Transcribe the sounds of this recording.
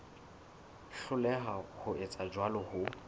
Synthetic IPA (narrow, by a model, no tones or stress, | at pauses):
ɬʊlɛɦahʊɪt͡sʼad͡ʒwalɔhʊ